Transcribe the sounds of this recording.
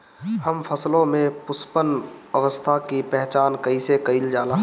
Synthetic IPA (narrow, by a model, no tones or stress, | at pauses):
həmfʰəslõmẽpʊspənəʋəst̪ʰakipɛɦt͡ʃaːnkəisekəild͡ʒaːla